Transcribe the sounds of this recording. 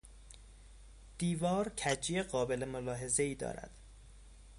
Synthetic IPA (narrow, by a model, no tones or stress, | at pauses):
d̪̥iːvɒːɾcʰæd͡ʒieɢɒːbe̞lemolɒːɦe̞zeiːd̪ɒ̰ːɾæ̰d̪̥